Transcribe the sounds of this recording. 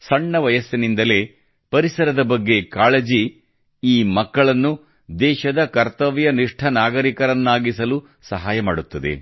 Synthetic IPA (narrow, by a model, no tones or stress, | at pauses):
sɐɳːɐʋɐjɐsːinind̪ɐle̞ː | pɐɾisɐɾɐd̪ɐbɐɡːe̞kaːɭed͡ʒi | iːmɐkːɐɭɐnːu | d̪ɛːʃɐd̪ɐkɐɾt̪ɐʋjɐniʂʈʰɐnaːɡɐɾikɐɾɐnːaːɡisɐlu | sɐɦaːjɐma̰ːɽut̪ːɐd̪ḛ